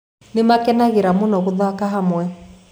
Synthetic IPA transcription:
nemakɛnaɣeɾamonɔɣoðakaɦamwɛ

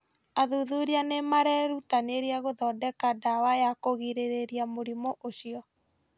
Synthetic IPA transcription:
aðuðuɾianemaɾɛɾutaneɾiaɣoðɔːdɛkadawajakoɣiɾeɾeɾiamoɾimɔʔoʃiɔ

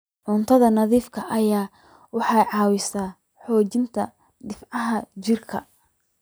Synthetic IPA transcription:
ʕʊnt̪ʰɐðɐnɐðiːfkʰɐʔɐjaː | wɑħɑjʕɑːwɪsaː | ħɔːt͡ʃɪnt̪ʰɐ | ɖɪfʕɑɦɐt͡ʃɪrkʰɐ̰

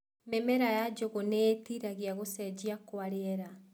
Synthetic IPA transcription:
mɛmɛɾajad͡ʑoɣoneːtiɾaɣiaɣosɛd͡ʑiakwaɾeɛɾa

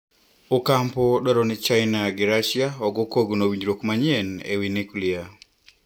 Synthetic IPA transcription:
okampɔdɔɾɔnɪt͡ʃajnaɡɪɾaʃjaɔɡokoɡnowiɲd͡ʒɾokmaɲenḛwinekulia

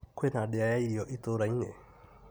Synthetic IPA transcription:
kwenaɗeajaiɾiɔʔit̪oɾaiɲɛ̰

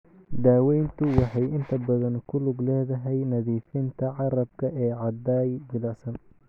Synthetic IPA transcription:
d̪aːwɛjnt̪ʰʊwɑħɑjɪnt̪ʰɐbɐðɐnkʰʊlʊɡlɛːðɐɦɛjnɐðiːfɪnt̪ʰɐʕɑɾɐb̚kʰɐʔɛːʕɑd̪aːjd͡ʒɪlɐsɐn

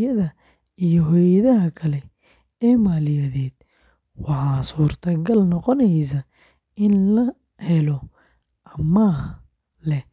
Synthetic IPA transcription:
ɐðɐ | ijɔɦɔːjɐðɐɦɐkʰɐlɛ | ɛːmaːlɪjɐðɛːd̪̥̚ | wɑħɑːsuːrt̪ʰɐɡɐlnɔqɔnɛjs̬ɐ | ɪnlɐ | hɛlɔ | ʔɐmɐː | lɛ

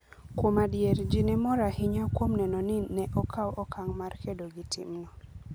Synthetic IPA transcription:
kwomadjeɾd͡ʒinɛmɔɾahɪɲakwomnɛnɔnɪnɛʔɔkʰawʔɔkaŋmarkʰedoɡitʰɪ̰mnɔ

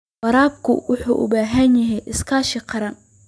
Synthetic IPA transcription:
wɐɾaːb̚kʰʊ̰wʊħuːʔʊ̰baːɦɐnjɐɦɛjʔɪskʰaːʃɪqʰɑɾɐn

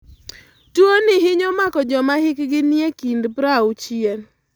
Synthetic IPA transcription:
tuonɪɦɪɲɔmakɔd͡ʒɔmahɪkɡɪniekindpɾaut͡ʃjen

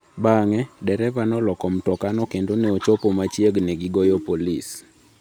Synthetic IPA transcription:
baŋɛdɛɾɛvanɔlɔkɔmtɔkanɔkendoneot͡ʃopomat͡ʃjeɡnɛɡɪɡɔjɔpolis

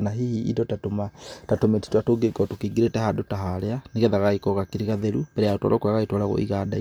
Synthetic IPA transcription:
naɦihiḭdɔtatomatatometi̥twatoɡekɔtokiːŋɡiɾetɛhandotaɦaleaniɣɛðaɣaikɔɣakiɾiɣaðeɾubɛɾɛjaotwa̰lokwaɣaitwalaɣo̰ʔḭɣada̰

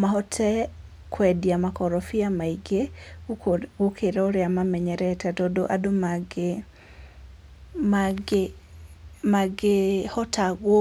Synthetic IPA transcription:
maɦɔtʰɛ | kʰwɛdiamakɔɾɔfiamaiɡe | okʰeɾɛoɾeamamɛɲɛɾɛtɛtɔdoʔadomaɡe | maɡe | maɡehɔtaɣwɔ

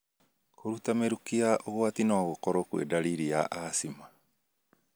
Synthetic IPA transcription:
kʰoɾutameɾukiaʔooatinoaɣokoɾokuḛdaɾiɾia̰ʔasima

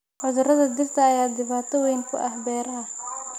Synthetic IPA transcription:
hɔðʊrɐðɐd̪ɪrt̪ʰɐːjaːd̪ɪβaːt̪ʰɔwɛjŋkʰʊ̰ʔɐhbɛːɾɐɦɐ

